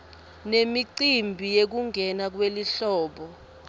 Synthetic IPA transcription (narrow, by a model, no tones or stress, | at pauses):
nemiǀimbʱijek̬uŋʱɛnak̬weliɬɔːɓɔ